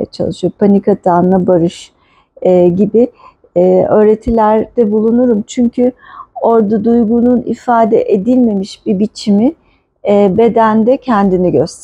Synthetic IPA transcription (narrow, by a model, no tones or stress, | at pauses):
t͡ʃʰa̰lˠɯʃɯjopʰanikat̪ʰanːabaɾɯʃ | ɟibɪː | ø̞ːɾet̪ʰilʲæɾd̪̥ɛbulˠunuɾumt͡ʃʰyɲcʰyo̞ɾd̪ad̪ujɡununḭfaːd̪ɛ̰ʔed̪ilʲme̞miʃbibit͡ʃʰimɪː | be̞d̪ænd̪ɛcʰɛnd̪iniɟøst̪